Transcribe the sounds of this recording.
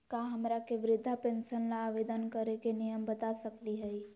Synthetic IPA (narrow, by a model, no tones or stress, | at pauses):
kaɦɐmɾakeʋɾɪd̪ʱːapẽːnsənlaːʋed̪ənkəɾekenɪjəmbət̪asəkliɦɛi